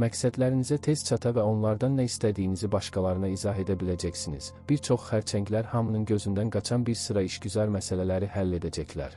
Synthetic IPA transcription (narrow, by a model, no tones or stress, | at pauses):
mæcsæd̪læɾinizæt̪ʰe̞z̥t͡ʃʰɑt̪ʰɑvæo̞nlˠɑɾd̪ɑnːæist̪æd̪ijːinizibɑʃkɑlˠɑɾɯnɑizɑɦe̞d̪æbilæd͡ʒæcsinḭz̥b̥iɾt͡ʃʰo̞χχæɾt͡ʃʰæɲɟlæɾhɑmɯnɯnɟø̞zynd̪ænɡɑt͡ʃʰɑnbiɾsɯɾɑiʃɟyzɑɾmæsælælæɾihælːe̞d̪æd͡ʒæcʰlæ̰ɾ